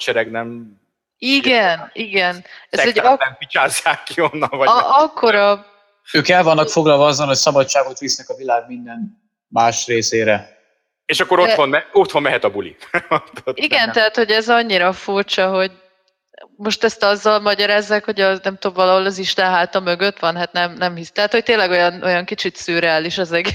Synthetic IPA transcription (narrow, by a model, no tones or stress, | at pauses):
t͡ʃɛɾɛɡnɛm | iɡɛniɡɛnɛsɛɛɛmit͡ʃaːzːaːkːionːɒnvɒɒkʰːo̞ɾɒ | øːkɛlvɒnːɒkfo̞ɡlɒlvɒɒzːɒnhocsɒbɒt͡ʃt͡ʃːaːɡot̪ʋisnɛkɒvilaːɡ̚mind̪ɛn | maːʃreːseːɾɛ | eːʃɒkːo̞ɾot̪onmɛot̪ho̞nmɛɦɛt̪ɒbulḭt̪oiɡɛnt̪ɛɦat̪ho̞ɟɛzɒɲːiɾɒfurt͡ʃɒɦo̞ɟ | mo̞ʃt̪ɛst̪ɒzːɒlmɒɟɒɾaːzːaːkho̞ɟɒnɛmt̪oːbvɒlɒɦo̞lɒziʃt̪ɛnɦaːt̪ɒmø̞ɡøt̪ʋɒnɦat̪nɛmnɛmɦist̪ɛɦat̪ho̞c̚t̪eːnlɛɡo̞jɒnʔo̞jɒŋkit͡ʃit̪syːɾɛaːliʃɒzɛɡe